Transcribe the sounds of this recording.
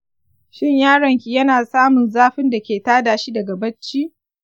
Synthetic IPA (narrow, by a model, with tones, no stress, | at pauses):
ʃɪ˦ɲjaː˦ɽɐ˨ŋkʲi˨jɐ˦naː˨saː˦mʊ˨nzaː˦ɸɪ˦nda˨kʲeː˨taː˦daː˨ʃi˦dɐ˨ɡa˨bɐ˦t͡ʃːiː˦ʔ